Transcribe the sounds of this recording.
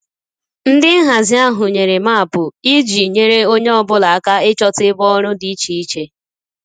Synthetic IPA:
n̩˦dɪ˦ɦa˨zɪ˦a˦ɦʊ˨ɲe˨ɾe˨ma˦a˨pʊ˨i˦d͡ʒi˨ɲe˦ɾe˦o˦ɲe˦ɔ˦bʊ˦la˨a˨ka˦ɪ˦t͡ʃɔ˦tɪ˦bɔ˦ɾʊ˦di˦t͡ʃi˨i˦t͡ʃe˦

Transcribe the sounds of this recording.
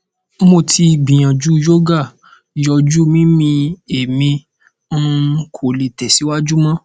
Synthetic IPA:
mo˧tʰi˧˨ɡ͡bĩ˨j̃ã˨d͡ʒu˦jo˦ɡa˦˨ | jɔ˧d͡ʒu˦mĩ˦mĩ˧e˨mĩ˧˦ | kʰo˨li˨tɛ˨si˨˦wa˦d͡ʒu˦mɔ̃˦

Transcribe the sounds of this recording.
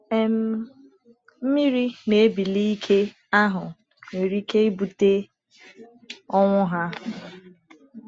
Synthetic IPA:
e˨m̩˦ | m̩˦mi˦ɾi˦ne˨e˦bi˨li˦i˦kʰe˦ | a˦ɦʊ˨ | ne˨ɾi˦ke˦i˦bu˨te˦ | ɔ˦ŋʷʊ˦ɦa˦

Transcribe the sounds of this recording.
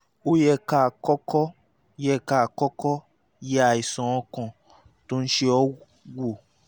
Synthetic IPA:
o˦jɛ˦˧ka˦˨kɔ˦kɔ˦ | jɛ˦ka˦˨kɔ˦kɔ˦ | ja˨i˨sɔ̃˨ɔ̃˧kɔ̃˨ | to˦n̩˦ʃe˦ɔ˦ | wo˨

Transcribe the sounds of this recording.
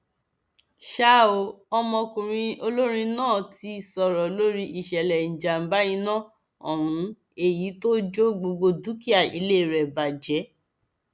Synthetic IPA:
ʃa˦˨o˧˦ɔ˧mɔ̃˧kũ˨ɾ̃ĩ˧o˧lo˦ɾ̃ĩ˧nãː˦˨ti˧˨sɔ˨ɾɔ˨lo˦ɾi˦ʔi˨ʃɛ˨lɛ˨n̩˨d͡ʒa˨m̩˨ba˦jĩ˧˦nã˦˨ | ɔ˦˨ɾ̃ũ˨˦ | e˨ji˨˦to˦d͡ʒo˦ɡ͡bo˧ɡ͡bo˧du˦ki˦a˦˨ḭ˧le˦˨ɾɛ˨ba˨d͡ʒɛ˨˦

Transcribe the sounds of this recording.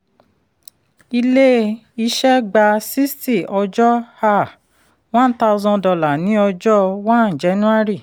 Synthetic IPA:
i˧le˦ | i˧ʃɛ˦ɡ͡ba˧si˦sti˦˨ɔ˧d͡ʒɔ˦ha˦˨ | wã˦n̩˦ta˦˧u˧zɔ̃˧dɔ˧la˨nĩ˨˦ɔ˧d͡ʒɔ˦wã˦˨d͡ʒɛ˨˦nũ˦a˦ɾi˦˨

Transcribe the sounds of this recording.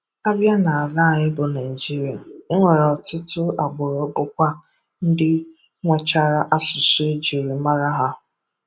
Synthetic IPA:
a˦bja˦na˨a˨la˦˨ɲɪ˦bʊ˨na˨i˨d͡ʒi˦ɾi˨a˨ɪ˦ŋʷe˨ɾɔ˨tʊ˦tʊ˦a˨ɡ͡bʊ˨ɾʊ˨˦bʊ˦kʷa˦ | n̩˦dɪ˦ | ŋʷe˦t͡ʃa˦ɾa˦ʔa˦sʊ˨sʊ˦e˦d͡ʒi˨ɾi˨ma˦ɾa˦ɦa˦

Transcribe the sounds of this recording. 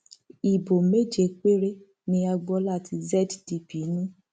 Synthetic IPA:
i˨bo˨me˦d͡ʒe˦k͡pe˦ɾe˦ | nĩ˧a˧ɡ͡bɔ˧la˦˨ti˧zɛ˦ddi˨pi˨˦nĩ˦

